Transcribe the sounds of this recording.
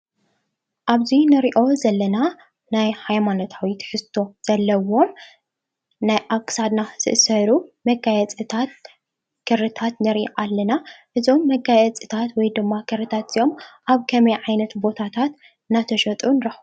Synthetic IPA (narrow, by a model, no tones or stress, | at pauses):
ʔaβzinɨɾiʔo̞zɐlːɐna | najhajmano̞t̪ʰawit̪ʰħɨst̪ʰo̞z̥ɐlːɐwo̞m | najʔakʼsad̪naz̥ɨ̰ʔɨsɐɾumɐɡajɛt͡sʼɨt̪ʰat̪̚ | kʰɨɾɨt̪ʰat̪nɨɾiʔʔalːɐnaʔɨzo̞mːɐɡajɛt͡sʼɨt̪ʰat̪wɔjd̪ɨmːakʰɨɾɨt̪ʰat̪z̥ijo̞mʔaβkʰɐmɐjʕajnɐt̪bo̞t̪ʰat̪ʰat̪ | ɨnːat̪ʰɐʃɐt̪ʼunɨɾɐħ